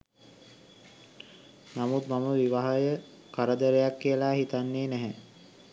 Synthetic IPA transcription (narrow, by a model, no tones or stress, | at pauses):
namut̪maməʋiʋaɦajə | kaɾəd̪əɾejakːijəlaːɦit̪anːeːnæɦɛ